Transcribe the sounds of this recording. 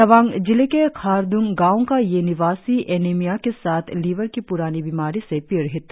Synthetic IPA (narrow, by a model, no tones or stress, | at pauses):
ɐʋãːŋɡd͡ʒɪlekekʰaːɾd̪ʊ̃ŋɡãːõkajenɪʋaːsiʔeːneːmijakesaːt̪ʰliːʋəɾkipʊɾaːnibimaːɾisepiɾɦɪt̪